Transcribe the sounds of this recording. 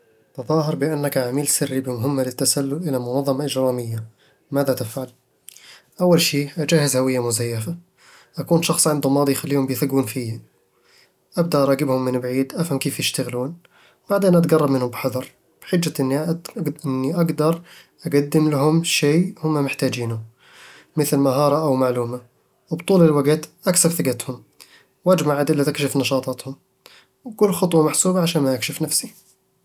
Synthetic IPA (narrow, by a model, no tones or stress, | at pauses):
t̪ɑðˤɑːɦɑɾˤbɪʔanːakʕamiːlsɪrːibɪmʊɦɪmːalɪt̪ːasalːʊlʔɪlamʊnɑðˤːɑmɑʔɪd͡ʒɾɑːmɪjːa | maːðat̪ɪfʕal | ʔawːalʃiːd͡ʒaːhɪzhawɪjːamʊzajːafa | ʔakuːnʃɑxsˤʕɪnd̪ʊmɑːd̪ˤijxalːiːhʊmbjɪθaɡuːnfiːa | ʔab̚d̪aʔɑɾˤɑːɡɪbhʊmːɪnbʕiːd̪ʔafhamkeːfjɪʃt̪aɣluːn | b̥aʕd̪eːnʔat̪ɡɑrˤːɑbmɪnhʊmbɪħɑðɑɾˤ | b̥ħɪd͡ʒːaʔɪnːʔɪnːiʔaɡd̪ɑɾˤʔaɡad̪ːɪmlahʊmʃeːhʊmːamɪħt̪aːd͡ʒiːnʊ | mɪθlmaɦɑːɾˤɑʔawmaʕluːma | wbt̪ˤuːlɪlwaɡt̪ʔaksabθaɡat̪hʊm | wʔad͡ʒmaʕad̪ɪlːat̪ɪkʃɪfnɑʃɑːt̪ˤɑːt̪hʊm | wkʊlːxɑt̪ˤwɑmaħsuːbaʕaʃaːnmajɪkʃɪfnafsi